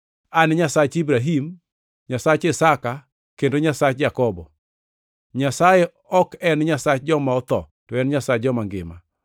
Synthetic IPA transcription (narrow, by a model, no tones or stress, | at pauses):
anɲasat͡ʃibɾaɦim | ɲasat͡ʃɪsaka | kendoɲasat͡ʃd͡ʒakɔbɔ | ɲasajɛ | ɔkɛnɲasat͡ʃd͡ʒɔmaɔt̪ɔ̰ | tɔɛnɲasad͡ʒɔmaŋɡɪ̰ma̰